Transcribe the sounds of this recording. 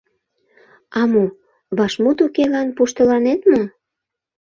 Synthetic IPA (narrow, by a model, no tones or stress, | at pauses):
ɑmo | βɑʃmut̪ukelɑnpuʃt̪əlɑnet̪mom